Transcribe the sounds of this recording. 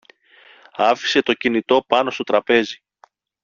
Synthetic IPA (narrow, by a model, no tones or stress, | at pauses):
ɐfi̥se̞t̪o̞cinit̪o̞pɐno̞st̪o̞t̪ɾɐpe̞zi